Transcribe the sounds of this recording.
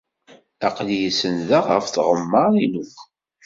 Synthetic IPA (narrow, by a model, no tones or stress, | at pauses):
æqljəsənðəʁə̰fθʁəmːəinukʷ